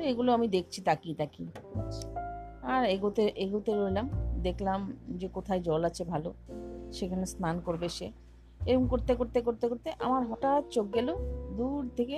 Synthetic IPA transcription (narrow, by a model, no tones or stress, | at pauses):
eɡuloamid̪ek̚ʰt͡ɕʰit̪akit̪aki | aɾeɡot̪eʔeɡut̪eɾojlamd̪ekʰlamd͡ʑekot̪ʰaed͡ʑɔlat͡ɕʰebʱaloʃekʰanesankoɾbeʃe | eoŋkoɾt̪ekoɾt̪ekoɾt̪ekoɾt̪eʔamaɾɦɔʈat̪̚t͡ɕok̚ɡɛlod̪uɾt̪ʰeke